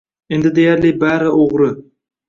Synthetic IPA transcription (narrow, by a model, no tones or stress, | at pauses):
end̪ɪd̪e̞jaɾlɪbaɾɪoʁɾɪ